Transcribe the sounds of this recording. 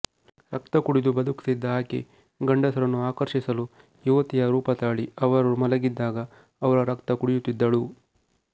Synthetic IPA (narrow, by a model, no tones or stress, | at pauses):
ɾɐkt̪ɐkuɽid̪ubɐd̪uksid̪ːaːkḛ | ɡɐɳɖɐsɐɾɐnːuaːkɐɾʂisɐlu | juʋɐt̪ijɐɾuːpɐt̪aːɭiɐʋɐɾumɐlɐɡid̪ːaːɡɐ | ɐʋɐɾɐɾɐkt̪ɐkuɽijut̪ːid̪ːɐɭu